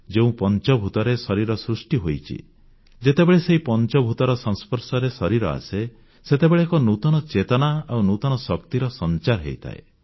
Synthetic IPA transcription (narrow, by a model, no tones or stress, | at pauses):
d͡ʒeũpɔnt͡ʃɔbʱut̪ɔɾesɔɾiɾɔsɾusʈiɦojt͡ʃʰḭ | d͡ʒet̪ebeɭeseɦipɔnt͡ʃɔbʱut̪ɔɾɔsɔ̃ŋspɔɾsɔɾesɔɾiɾɔ̰a̰se | set̪ebeɭeːkɔnut̪ɔnɔt͡ʃet̪ɔnaawnut̪ɔnɔsɔkt̪iɾɔsɔnt͡ʃaɾɦḛjt̪ʰa̰ḛ